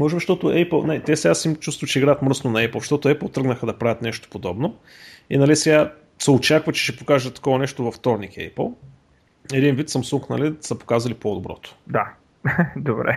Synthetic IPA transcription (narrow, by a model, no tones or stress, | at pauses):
mɔʒɛbiʃt̪ɔt̪ʊʔɛplˠnt̪ɛsɛɡasimt͡ʃust̪vət͡ʃɛiɡɾaət̪mɾɤsnonɐɛplˠʃt̪ɔt̪ʊɛplˠt̪ɾɤɡnəxəd̪ɐpɾavʲət̪nɛʃt̪o̥pod̪ɔbno | inɐlisɛɡa | sɛot͡ʃakvət͡ʃɛ̥ʃɛpokaʒət̪ɐ̥kɔvɐnɛʃt̪ʊvɐft̪ɔɾnikɛ̰pə̰lˠ | ɛd̪invit̪sɐmsuŋknɐlisɐpo̥kazɐlipod̪obɾɔ̰t̪ʊ̥d̪a | d̪obɾɛ̰